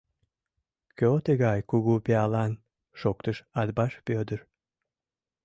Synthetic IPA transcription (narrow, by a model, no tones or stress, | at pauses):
køot̪eɣɑjkuɣupeɑlɑn | ʃok̚t̪əʃɑd̪bɑʃpød̪ər